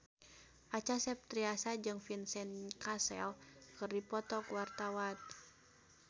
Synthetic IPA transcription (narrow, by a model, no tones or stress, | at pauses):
ʔat͡ʃasɛp̚t̪ɾiasad͡ʒɨŋfinsɛnkasɛ̰lkɨrdipɔt̪ɔkwart̪awat̪̚